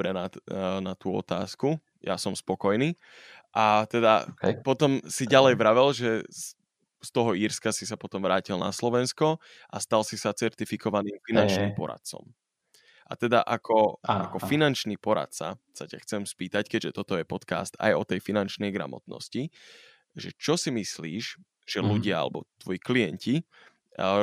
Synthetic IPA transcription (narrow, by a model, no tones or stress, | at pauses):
bɾɛnanat̪uːɔ̰t̪aːsku | ja̰sɔmspɔkɔjniː | ʔat̪ɛd̪a̰pɔt̪ɔmsiɟalɛjʋɾaʋɛlʒɛ | st̪ɔɦɔiːɾskasisapɔt̪ɔmʋɾaːcilna̰slɔʋɛnskɔ | ʔast̪alsisat͡sɛɾt̪ifikʰɔʋaniːmfinant͡ʃniːmpɔ̰ɾa̰t̪̚t͡sɔ̰m | ʔa̰t̪ɛd̪a̰ʔakʰɔakɔfinant͡ʃnipɔɾa̰t̪sa̰sacaxt͡sɛmspiːt̪ackɛɟʒɛt̪ɔt̪ɔjɛpɔt̪ka̰ːst̪a̰jɔt̪ɛjfinant͡ʃnɛjɡɾa̰mɔ̰t̪nɔ̰sci | ʒɛt͡ʃɔsimisliːʃ | ʒ̥ɛluɟɪaa̰lɛbɔ̰t̪ʋɔjikliɛnci